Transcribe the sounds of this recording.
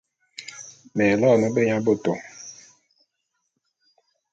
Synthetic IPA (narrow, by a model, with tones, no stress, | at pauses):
mɛ˨lɔ˦˨nɔ˦be˦ɲa˦bo˦˨to˨